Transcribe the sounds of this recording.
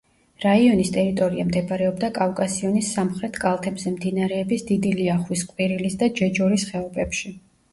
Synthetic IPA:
ɾaiɔnist̪ʼɛɾit̪ʼɔɾiamd̪ɛbaɾɛɔbd̪akʼafkʼasiɔnisːamχɾɛt̪ʰkʼalˠt̪ʰɛbzɛmd̪inaɾɛːbisd̪id̪iliaχwiskʼwiɾilisd̪ad͡ʒɛd͡ʒɔɾisχɛɔbɛpʃi

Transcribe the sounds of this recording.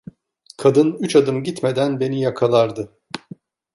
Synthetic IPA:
kʰad̪ɯnyt͡ʃad̪ɯmɟit̪me̞d̪ænbe̞nijakʰalˠaɾd̪ɯ

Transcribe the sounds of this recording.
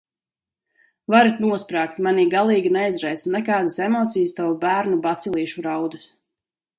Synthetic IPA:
vaɾit̪nuɔspɾaːkt̪maniːɡalˠiːɡʲinɛjzɾɛj̪snɛkaːd̪asemɔːt̪sijst̪awubæːɾnubat̪silˠiːʃuɾawd̪ɨs

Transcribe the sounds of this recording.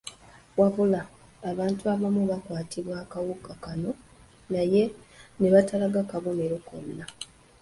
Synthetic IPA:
wavulaː | βaːntuaβamuβakwaːtʰiβwaːkawukakano̞ | naje̞ne̞βatalaɡakaβome̞ɾo̞ko̰nːa

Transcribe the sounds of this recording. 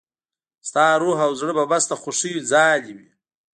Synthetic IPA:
st̪ɑːɾuɦawzɽəbabast̪axoʂijid͡zɑːliwi

